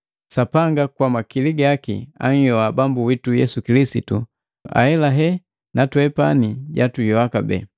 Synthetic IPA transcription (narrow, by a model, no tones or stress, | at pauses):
sapaŋɡakwamakiliɡakḭa̰ŋ̩jɔabambuwitujɛsukilisitu | a̰hɛlaɦɛ | natwɛpaniɟatujɔakabɛ̰